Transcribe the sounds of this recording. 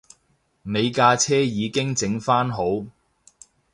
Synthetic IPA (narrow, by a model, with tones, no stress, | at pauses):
me˨˧jkaː˧t͡sʰɛː˥jiː˨˧kɪ˥ŋt͡sɪ˨˧˥ŋfaː˥nɦo˨˥w